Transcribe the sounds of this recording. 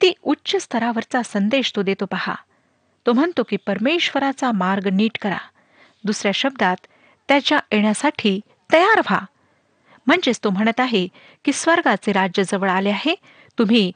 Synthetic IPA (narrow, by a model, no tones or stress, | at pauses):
t̪iːutːɕəst̪ʰəɾaʋəɾt͡sasənd̪eɕt̪od̪et̪opaha̰ | t̪om̤əɳt̪okiːpəɾmeɕʋəɾat͡samaɾɡniːʈkəɾa̰ | d̪usɾjaɕəb̚d̪at̪ː | jat͡ɕjaʔeɳjasaʈʰiː | t̪əjaɾʋ̤a̰ | m̤əɳd͡zest̪om̤əɽ̃ət̪aɦe | kiːsʋəɾɡat͡seɾad͡ʑjəd͡zəʋəɭaleaɦe | t̪um̤iː